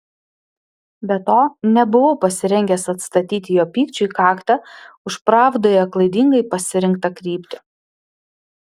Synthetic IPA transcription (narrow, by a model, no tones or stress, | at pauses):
bʲɛt̪oːnʲɛbʊʋopɐsʲɪɾʲɛŋʲɡʲɛsɐt̪st̪ɐt̪ʲiːt̪ʲɪjoːpʲiːkt͡ʃʲʊikɑːkt̪ɐʊʃpɾɑːʋd̪oːjɛklˠɐɪd̪ʲɪŋɡɐɪpɐsʲɪɾʲɪŋk̚t̪ɐkɾʲiːpʲt̪ʲɪ̥